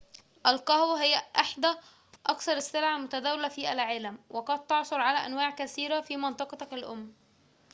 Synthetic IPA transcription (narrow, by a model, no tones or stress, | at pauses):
ʔælqɑhwæɦɪjːæʔeħd̪æ | ʔɑkθɑɾˤɪsːelʕalmʊt̪æd̪æwlæfiːʔælʕelæmwʔeqɑd̪̚t̪ːɑʕsˤoɾˤʕalæʔænwaːʕkæsiːɾæfiːmɑnt̪ˤɑqɑt̪ɑkælʔʊ̰mː